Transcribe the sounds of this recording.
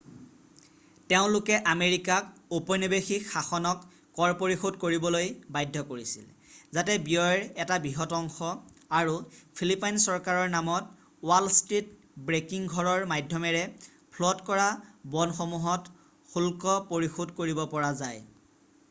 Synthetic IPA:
teʊ̃lʊkɛʔameɹikak̚upɔnibexixaxɔnɔkː | ɔɹpoɹixodkoɹibɔlojbajdʱːɔkoɹisḭl | zatɛbijɔɹɛtabiɦɔtɔŋxɔaɹupʰilipajnsɔɹkaɹɔɹnamɔt | walstɹit | bɹekiŋɡʱɔɹɔɹmajdʱːɔmɛɹɛ | pʰlɔtkɔɹabɔnxomuɦɔt | xulkɔpoɹixodkoɹibɔpɔɹazaj

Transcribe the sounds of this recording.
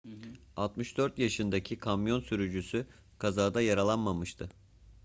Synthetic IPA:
alˠt̪mɯʃd̪̥øɾt̪jaʃɯnd̪acʰikʰamjo̞nsyɾyd͡ʒysy | kʰazaːd̪ajaɾalˠanmamɯʃt̪ʰɯ

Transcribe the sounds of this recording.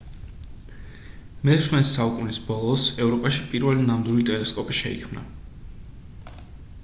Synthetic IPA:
mɛsmɛnisːaukʼunisbɔlˠɔsɛvɾɔpʼaʃipʼiɾvɛlinamd̪wilit̪ʼɛlɛskʼɔpʼiʃɛ̰ḭkʰmna̰

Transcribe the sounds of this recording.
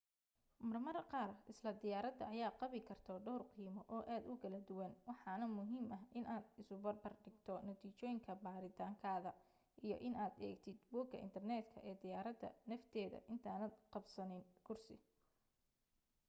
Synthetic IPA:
mɐrmɐrqɑːrɪslɐd̪ɪjaːɾɐd̪ɐɐjaːqɑβɪkʰɐrt̪ʰɔɖɔːrqiːmɔʔɔːʔaːd̪ʊkʰɐlɐd̪ʊwɐnwɑħɑnɐmʊɦiːmɐɦʔɪnʔaːd̪ɪsʊbɐrbɐrɖɪɡt̪ʰɔnɐt̪ʰiːt͡ʃɔːjɪŋkʰɐbaːɾɪt̪ʰaːŋkʰaːðɐ | ʔijɞ̰ʔɪnaːd̪ɛ̰ːɡt̪ʰɪd̪buːkʰːɐ̰ʔɪ̰nt̪ʰɐrnɛːd̪kʰɐ̰ʔɛːd̪ɪjaːɾɐd̪ɐ̰nɐft̪ʰɛːðɐ̰ʔɪnt̪ʰaːnɐd̪qɑbsɐnɪnkʰʊrsɪ̰

